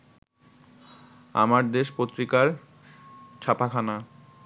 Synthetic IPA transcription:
a̰maɾd̪eʃpot̪ːɾikaɾ | t͡ɕʰapakʰana

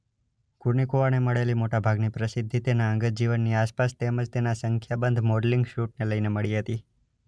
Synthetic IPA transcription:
kuɾnikoʋaneməɭelimoʈabʱaɡnipɾəsɪd̪ʱːit̪enaə̃ŋɡət̪̚d͡ʒiʋənːiaspast̪eməd͡ʒt̪enasəŋkʰjabənd̪ʱmoɖliŋɡʃuʈ̚neləjneməɭiɦət̪i

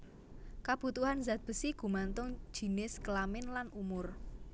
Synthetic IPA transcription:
kab̥ṳt̪uhanzat̪̚b̥ə̤siɡ̥ṳmant̪ʊŋ̥ʒ̥i̤nɪskəlamɪnlanumʊr

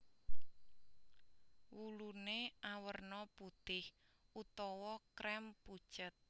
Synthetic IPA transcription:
wuluneʔawərnɔput̪ɪhut̪ɔwɔkɾɛmpu̥t͡ʃət̪̚

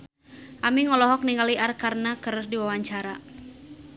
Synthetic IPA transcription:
ʔamiŋɔlɔɦɔk̚niŋaliʔarkarnakəɾrdiwawaɲt͡ʃaɾa

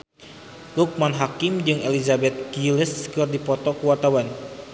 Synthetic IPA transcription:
luk̚manɦakimd͡ʒɨŋelizabɛt̪̚kiləskɨrdipɔt̪ɔkuwart̪awan

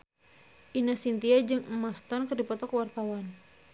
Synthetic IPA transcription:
ʔinasint̪iad͡ʒɨŋəmast̪ɔnkərdipɔt̪ɔkwart̪awan

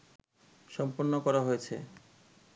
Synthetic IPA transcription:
ʃɔmponːokɔɾaɦojet͡ɕʰḛ

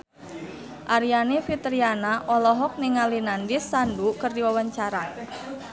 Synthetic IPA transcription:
ʔaɾianefit̪ɾianaʔɔlɔɦɔk̚niŋalinandɪsːandukərdiwawaɲt͡ʃaɾa

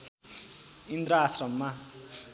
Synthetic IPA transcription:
ind̪ɾaːsrʌmːa

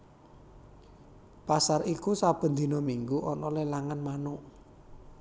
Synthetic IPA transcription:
pasarikusab̥ə̤nd̪i̤nɔmiŋɡuʔɔnɔlelaŋanmanu

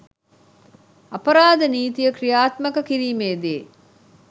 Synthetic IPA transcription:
ɐpɐɾaːd̪əniːt̪ijəkrijaːt̪mɐkəkiɾiːmeːd̪eː

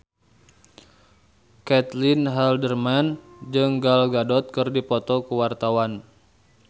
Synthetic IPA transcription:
kɛt̪linɦaldərmand͡ʒɨŋɡalɡadɔt̪̚kɨrdipɔt̪ɔkuwart̪awan

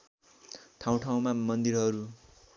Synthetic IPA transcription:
tʰaw̃ʈʰaw̃mamʌnd̪iɾɦʌɾu

